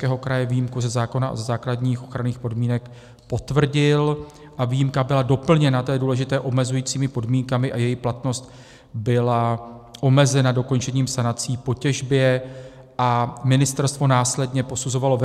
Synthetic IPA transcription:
kɛːɦo̞kɾajɛvijimkuzɛzaːko̞na̰zɛzaːkladɲiːxʔo̞xɾaniːxpo̞dmiːnɛk | po̞t̪vr̩ɟɪl | ʔaviːjimkabɪlado̞pl̩ɲɛnat̪ɛːduːlɛʒɪt̪ɛːʔo̞mɛzujiːt͡siːmɪpo̞dmiːŋkamɪʔajɛjiplat̪no̞st̪ | bɪlaʔo̞mɛzɛnado̞ko̞nt͡ʃɛɲiːmsanat͡siːpo̞cɛʒbjɛ | ʔamɪnɪst̪ɛɾst̪vo̞naːslɛdɲɛpo̞suzo̞valo̞v

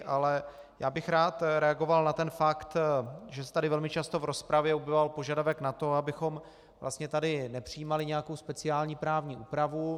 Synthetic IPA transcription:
ʔalɛ | jaːbɪxɾaːt̪ɾɛaɡo̞valnat̪ɛnfakt̪ʒɛsɛ̥t̪adɪvɛlmɪt͡ʃast̪ovɾo̞spɾavjɛobɛvalpo̞ʒadavɛknat̪o̞abɪxo̞m | vla̰st̪ɲɛt̪adɪnɛpr̝̥ɪjiːmalɪɲɛjakowspɛt͡sɪaːlɲiːpɾaːvɲiːʔuːpɾavu

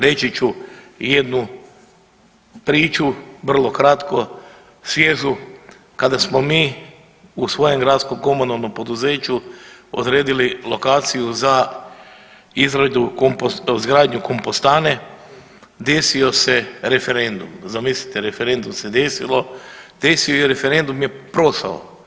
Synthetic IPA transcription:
ɾe̞t͡ʃit͡ʃuje̞d̪nu | pɾiːt͡ʃuʋr̩lˠo̞kɾat̪ko̞ | sʋʲjeːzu | kad̪asmo̞miː | usʋo̞je̞mɡɾad̪sko̞mko̞monalˠno̞mpo̞d̪uze̞ːt͡ʃuo̰d̪ɾe̞ːd̪ililo̞kaːt̪sijuza | izɾed̪uompzɡɾaːd̪ɲuko̞mpost̪ane | d̪e̞sioseɾe̞fe̞ɾe̞nd̪umzamislit̪eɾe̞feɾe̞nd̪umsed̪esḭlˠo̞d̪̥esijojeɾe̞feɾe̞nd̪umjepɾo̞sa̰o̰

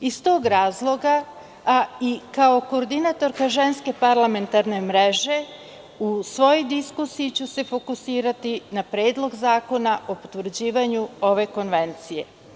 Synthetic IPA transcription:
ist̪o̞ːɡɾaːzlˠo̞ɡa | ikao̞ko̞ːɾd̪inat̪o̞ɾkaʒe̞nske̞paɾlˠame̞nt̪aɾne̞mɾe̞ʒe̞ | usʋo̞jod̪iskusijit͡ɕuse̞fo̞kusiːɾat̪inapɾeːd̪lˠo̞ɡzaːko̞naʔo̞pot̪ʋr̩ɾ̩d͡ʑiːʋaɲuo̞ʋe̞ko̞nʋe̞nt̪sije̞

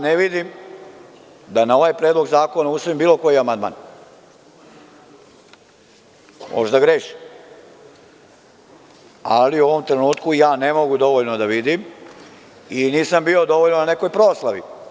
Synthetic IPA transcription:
neʋid̪im | d̪anao̞ʋajpɾeːd̪lo̞ɡzaːko̞nausoimbiːlˠo̞ko̞jiamand̪ma̰ːn | mʔo̰ʒd̪aɡɾeʃi̥ | aliuo̞ʋo̞mt̪ɾe̞nuːt̪kujaːne̞mo̞ɡud̪o̞ʋoʎnod̪aʋid̪im | iniːsambio̞d̪o̞ʋoʎnonane̞ko̞jpɾoːslaʋḭ

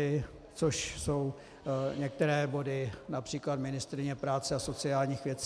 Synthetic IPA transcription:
ɪ | t͡soʃso̞w | ɲɛk̚t̪ɛɾɛːbo̞dɪnapr̝̥iːklat̪mɪnɪst̪ɾɪɲɛpɾaːt͡sɛasot͡sɪaːlɲiːxvjɛt͡s

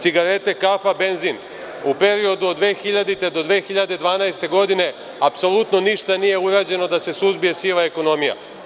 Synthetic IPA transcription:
tsiɡaɾe̞t̪e̞kafabe̞nzin | upe̞ɾio̞d̪uod̪ʋe̞ːxiʎad̪it̪e̞d̪o̞d̪ʋe̞ːxiʎad̪e̞d̪ʋaːnajst̪e̞ɡo̞d̪ine̞ | apso̞lut̪no̞niʃt̪anije̞uɾaːd͡ʑe̞no̞d̪ase̞suzbije̞silaeko̞no̞mija̰

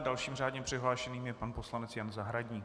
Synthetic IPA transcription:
dalʃiːmr̝aːdɲɛpr̥ɪɦlaːʃɛniːmjɛpanposlanɛt͡sjanzaɦɾaɟɲiː

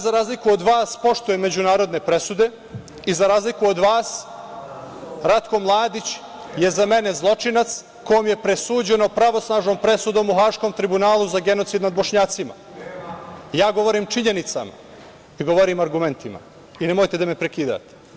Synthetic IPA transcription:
zaɾaːzlikuod̪ʋaːspo̞ʃt̪ujeme̞d͡ʑunaːɾo̞d̪ne̞pɾe̞sud̪e̞ | izaɾaːzlikuod̪ʋaːs | ɾat̪ko̞mlˠaːd̪it͡ɕ | je̞zame̞ne̞zlˠo̞t͡ʂinat̪s | ko̞jomje̞pɾesuːd͡ʑeno̞pɾaʋo̞snaːʒnompɾe̞sud̪o̞ːmuxaːʃko̞ːmt̪ɾibunaːlˠuzaɡe̞no̞t̪sid̪nad̪bo̞ʃɲaːt̪sima̰ | jaːɡo̞ʋo̞ɾiːmt͡ʂiɲe̞nit̪sa̰ma̰ | iɡo̞ʋoɾimaɾɡume̞nt̪ima̰ | inemojt̪ed̪amepɾekiːd̪a̰ːt̪e̥

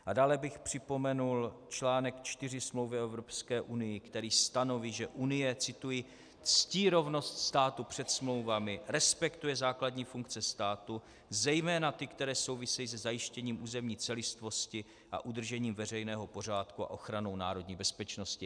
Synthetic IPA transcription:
ʔadaːlɛbɪxpr̝̥ɪpo̞mɛnult͡ʃlaːnɛkt͡ʃt̪ɪrɪsmlo̞wvɪɛvɾo̞pskɛːʔunɪjɪkt̪ɛɾiːst̪ano̞viːʒɛʔunɪjɛt͡sɪt̪uji | t͡sciːɾo̞vno̞st̪st̪aːt̪upr̝̥ɛt̪smlo̞wvamɪɾɛspɛkt̪ujɛzaːkladɲiːfuŋkt͡sɛst̪aːt̪u | zɛjmɛːnat̪ɪkt̪ɛɾɛːso̞wvɪsɛjiːs̬ɛzajɪʃcɛɲiːmʔuːzɛmɲiːt͡sɛlɪst̪vo̞scɪ | ʔa̰ʔud̪r̩ʒɛɲiːmvɛrɛjnɛːɦo̞po̞r̝aːt̪kua̰ʔo̞xɾano̞wnaːɾo̞dɲiːbɛspɛt͡ʃno̞scɪ

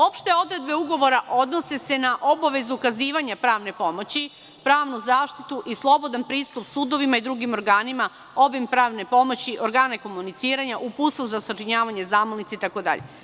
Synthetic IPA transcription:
o̞pʃt̪e̞o̞d̪ɾe̞d̪be̞uɡo̞ʋo̞ɾaʔo̞d̪no̞se̞se̞naʔo̞baʋe̞zuːkaziːʋaɲapɾaːʋne̞po̞mo̞t͡ɕi | pɾaːʋnuzaːʃt̪it̪uʔislˠo̞bo̞d̪anpɾiːst̪upsuːd̪o̞ʋimaid̪ɾuɡimo̞ɾɡaːnima | o̞bimpɾaːʋne̞po̞mo̞t͡ɕiʔo̞ɾɡaːneko̞munit̪siːɾaɲaʔupusozasat͡ʃiɲaːʋaɲezaːmolnit̪seit̪ako̞d̪a̰ʎʔḛ

